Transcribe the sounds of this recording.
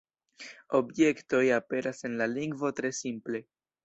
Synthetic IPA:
o̞bje̞kto̞jape̞ɾʔase̞nlaliŋɡvo̞tɾe̞simple̞

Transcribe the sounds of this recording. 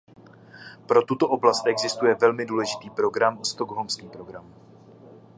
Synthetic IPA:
pɾo̞t̪ut̪o̞ʔoblast̪ʔɛɡzɪst̪ujɛvɛlmɪduːlɛʒɪt̪iːpɾo̞ɡɾamost̪oɡɦomskiːmpɾo̞ɡɾamu

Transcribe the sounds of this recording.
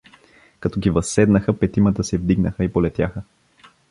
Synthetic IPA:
kɐt̪ɔɡivɐsːɛd̪nəxəpɛt̪imət̪əsɛvd̪iɡnəxəipolɛt̪jaxə

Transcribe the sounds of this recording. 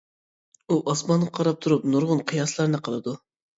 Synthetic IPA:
uʔɑsmɑnʁɑqʰɑɾɑp̚t̪ʰuɾupnuɾʁʊnqʰɨjɑslˠɑɾnɨqʰəlˠɨd̪u

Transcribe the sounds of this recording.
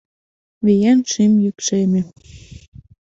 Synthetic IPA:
βejænʃimjykʃemĕ

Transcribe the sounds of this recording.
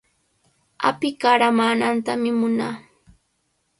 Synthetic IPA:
a̰pɪkaɾamaːnant̪amɪmʊnaː

